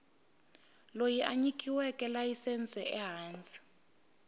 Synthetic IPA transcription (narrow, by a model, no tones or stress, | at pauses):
lojiʔaɲikʰʼiwɛkʼɛlajisɛnt͡sʼɛʔɛɦaːnt͡sʼi̥